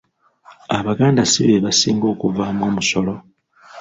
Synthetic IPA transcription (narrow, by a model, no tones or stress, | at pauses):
aβaɡaːndasiβeβasḭːŋɡo̞ːkuvamwo̞ːmuso̞lo̞